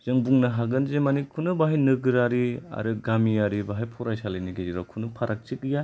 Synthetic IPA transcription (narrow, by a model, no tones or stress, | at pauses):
zɯŋbuŋnaɦaɡɯnzemanikʰunɯbaɦajnɯɡɯɾaɾia̰ɾɯɡamiaɾibaɦajpʰɔɾajsaleniɡeziɾakʰunɯpʰaɾʔak̚t͡ʃikija